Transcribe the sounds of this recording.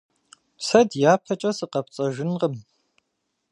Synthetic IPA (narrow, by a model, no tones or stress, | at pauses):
sɐdjaːpʰɐt͡ʃʼɐsɨqɐp̚t͡sʼɐʒɪnqəm